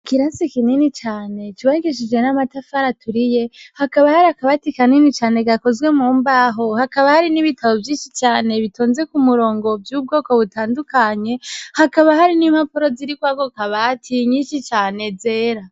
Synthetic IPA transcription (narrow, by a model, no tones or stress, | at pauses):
kiɾansikininit͡ʃaːne̞t͡ʃiβaɡiʃ̬id͡ʒwe̞namatafaɾatʰuɾije̞hakaβahaɾiakaβatikaninit͡ʃaːne̞ɡako̞zwe̞muːmbaːɦo̞hakaβahaɾiniβitʰaβo̞vjiːnʃit͡ʃaːne̞βitoːnze̞kumuɾo̞ːŋɡo̞bjuːb̚ɡo̞ːko̞βutaːndukaɲe̞hakaβahaɾinimhapoɾo̞ziɾikwaɡokaβatʰiɲiːnʃit͡ʃaːne̞ze̞ːɾa